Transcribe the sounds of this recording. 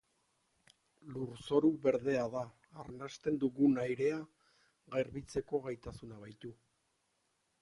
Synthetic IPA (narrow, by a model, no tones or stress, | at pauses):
luɾso̞ɾuβe̞ɾðe̞aðaː | rnast̪e̞nd̪uɣunajɾe̞a | ɣeɾβit͡se̞ko̞ɣajt̪asunaβ̞ajt̪u